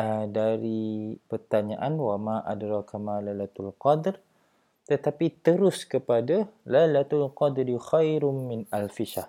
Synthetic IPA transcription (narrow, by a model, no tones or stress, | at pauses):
ədaɾipərt̪aɲaʔanwamaʔadɾɑkʰamalajlat̪alqɔd̪r | t̪ət̪apit̪əɾʊskəpadalajlat̪alqɑd̪ɾixajɾmɪnalfiʃah